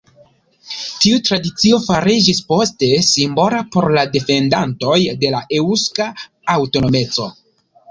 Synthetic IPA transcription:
tiutɾadit͡sio̞faɾid͡ʒispo̞ste̞simbo̞lapo̞ɾlade̞fe̞ndanto̞jde̞laʔeuska | awto̞no̞me̞t͡so̞̰

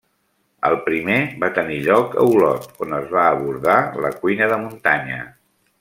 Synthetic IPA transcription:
əlˠpɾimeβat̪əniʎɔkə̰wlɔ̰t̪onəzβaːβuɾðaləkujnəðəmunt̪aɲə̰

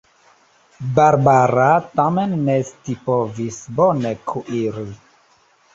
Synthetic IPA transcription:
baɾbaɾatamenːestipovisbonekʰuʔiɾi

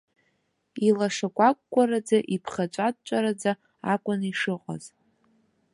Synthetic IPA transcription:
ilaʂakʷʼak̚ːʷʼaɾad͡zaʔipʰχat͡ʃʷʼad̚t͡ʃʷʼaɾad͡za | akʷʼʊniʂɨqʼa̰z̥

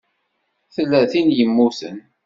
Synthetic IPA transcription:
θəlːæθinjəmːuθən

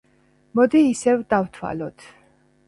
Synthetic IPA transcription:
mɔd̪iːsɛvd̪avt̪ʰwa̰lɔt̪ʰ

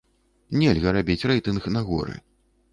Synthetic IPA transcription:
nʲelʲɣɐɾabʲit͡sʲrɛjt̪ɨnxnɐɣɔɾɨ̰

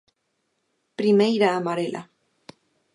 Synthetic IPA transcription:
pɾimejɾaːmaɾela̰

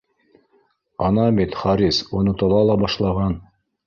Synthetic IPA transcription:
ɑnɑmit̪χɑɾʲisonɤt̪ɑlˠɑlˠɑbɑʃlˠɑʁɑn

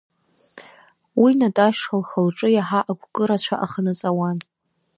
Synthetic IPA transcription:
winatʼaʃalχəlʈ͡ʂʼɨjaħaʔaɡʷʰkʼɨɾat͡ɕʷʰaʔaχənɨt͡sʼawan

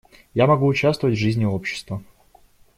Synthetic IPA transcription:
jamɐɡuːt͡ɕast̪vəvətʲvʐɨzʲnʲɪo̞pɕːɪ̥st̪və

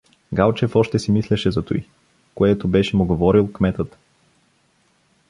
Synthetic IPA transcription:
ɡalˠt͡ʃɛfɔʃt̪ɛsimislʲɛʃɛzɐt̪oi | koɛt̪obɛʃɛmʊɡovɔɾilˠkmɛt̪ət̪

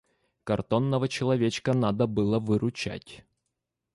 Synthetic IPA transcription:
kɐrt̪o̞nːəvət͡ɕɪlˠɐvʲet͡ɕkənad̪əbɨlˠəvɨɾʊt͡ɕæ̰tʲ

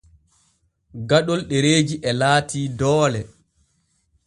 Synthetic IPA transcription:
ɡaɗɔlɗeɾeːd͡ʒiʔɛlaːtʰiːdɔːlɛ

